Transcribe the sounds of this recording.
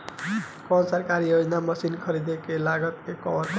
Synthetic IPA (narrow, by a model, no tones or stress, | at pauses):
kɔnsaɾkaɾijod͡ʒnamʌsinkʰʌɾid̪ekelaɡʌt̪kekɔɾ